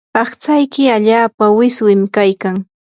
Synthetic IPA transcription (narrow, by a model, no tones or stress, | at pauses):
ɑχt͡sajkɪaʎaːpawɪswɪmkajkaŋ